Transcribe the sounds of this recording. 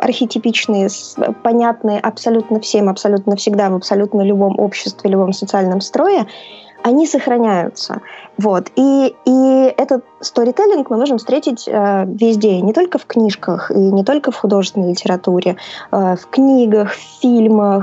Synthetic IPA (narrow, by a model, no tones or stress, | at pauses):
ɐ̰rxʲɪtʲɪpʲit͡ɕnɨjəspɐnʲat̪nɨjəʔɐpsɐlʲut̪nəfsʲe̞mɐpsɐlʲut̪nəfsʲɪɡd̪avəpsɐlʲut̪nəlʲʊbo̞mʔo̰pɕːɪ̥st̪vʲɪlʲʊbo̞msət̪sɨalʲnəmst̪ɾo̞ɪ | ɐnʲisəxɾɐnʲæjʊ̰t̪sə̰vo̞t̪iiɛt̪ət̪st̪oɾʲɪt̪elʲɪnkmɨmo̞ʐɨmfst̪ɾʲetʲɪtʲəvʲɪzʲdʲeɪnʲɪt̪o̞lʲkəfknʲiʂkəxinʲɪt̪o̞lʲkəfxʊd̪o̞ʐɨst̪vɪnəjʲlʲɪtʲɪɾɐt̪uɾʲʔɪafknʲiɡəxffʲilʲməx